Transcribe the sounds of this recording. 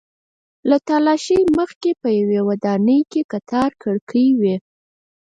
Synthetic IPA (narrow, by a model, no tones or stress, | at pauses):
lat̪ɑlɑʃəjməxkepəjawewad̪ɑnəjkekat̪ʰɑɾkʰəɽkʰəwe